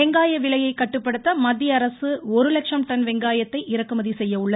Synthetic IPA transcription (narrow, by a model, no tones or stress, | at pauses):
ɛŋɡaːjɐʋɪɭɐjɐɪkːɐʈːɯpːɐɽɯt̪ːɐmɐd̪ːɪjɐɐɾɐsɯɔɾɯlɐkʂɐmʈɐnʋɛŋɡaːjɐt̪ːɐɪʔɪɾɐkːɯmɐðisɛjːɐʊɭːɐð